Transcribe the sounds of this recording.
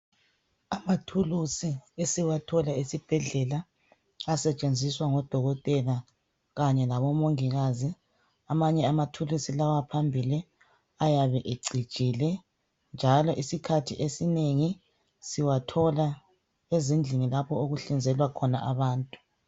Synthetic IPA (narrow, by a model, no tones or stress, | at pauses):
amatʰulusiesiwatʰɔlaesib̥ʱɛɮɛla | asɛt͡ʃʼend͡zʱiswaŋɔd̥ʱɔɣɔtʼɛla | ɣaɲɛlaβɔmoŋiɣazi | amaɲɛamatʰulusilawapʰambʱili | ajaβɛʔeǀi̥t͡ʃʼilɛ | nd͡ʒʱalɔʔisikʰatʰḭʔesineŋi | siwatʰɔla | ezind͡ɮʱinilapʰɔoɣuɬind͡zʱɛlwakʰɔna̰ʔaβaːntʼu̥